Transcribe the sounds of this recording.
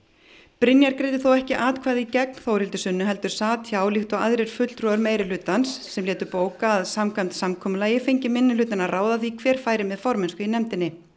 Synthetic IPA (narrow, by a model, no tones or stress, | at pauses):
pɾɪnjaɾkɾeːjt̪ɪθowɛhcɪʔaːt̪kʰvaːjðɪicɛk̚n̥θowɾɪlt̪ʏ̥sʏnːʏɦɛl̪t̪ʏɾ̥saːt̪ʰçjaːwlixt̪ɔɣaðɾeɾ̥fʏt̪lt̪ɾuːðʏɾmeːjɾɪlʏːt̪ansːɛmlɛːt̪ʏɾpoːwkaːðsamkʰamt̪samkʰɔːmʏlaːjɪfejɲcɪmɪnːʏlʏːt̪anaraːwðaθikʰvɛːɾ̥faːjɾɪmɛðfɔɾmɛnskʏinɛmt̪ɪnːɪ